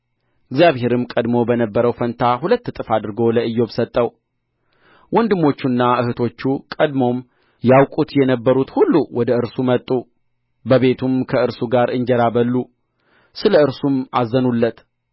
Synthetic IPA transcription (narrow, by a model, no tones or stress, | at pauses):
ʔɨɡzjaβhe̞ɾɨmkʼəd̪mo̞bənəbːəɾəwfənt̪ʰahulət̪ːt̪ʼɨfad̪ɨɾɡo̞ləɨjːo̞bsət̪ʼːəw | wɔnd̪ɨmːo̞t͡ʃːunːaʔɨhɨt̪ʰo̞t͡ʃːukʼəd̪mo̞m | jawkʼut̪jɛnəbːəɾut̪hulːuwɔd̪əɨɾsumət̪ʼːu | bəβe̞t̪ʰumkʰəɨɾsuɡaɾɨɲd͡ʒɛɾabəlːu | sɨləɨɾsumazːənulːət̪